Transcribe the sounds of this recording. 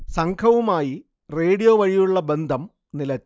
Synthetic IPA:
sɐŋkʰɐʋumaːji | reːɽijoːʋɐɻijuɭːɐbe̞nd̪ʱɐm | nilɐt͡ɕː

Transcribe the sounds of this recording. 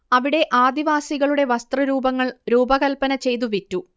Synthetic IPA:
ɐʋiɽe̞ʔaːd̪iʋaːsiɣɐɭuɽe̞ʋɐst̪rɐɾuːbɐŋːɐɭɾuːbɐɣɐlpɐnɐt͡ɕe̞jt̪̬uʋitːu

